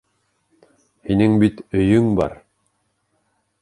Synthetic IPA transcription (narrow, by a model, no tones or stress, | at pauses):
hinɘŋbit̪ɵ̆jɵŋbɑ̰ɾ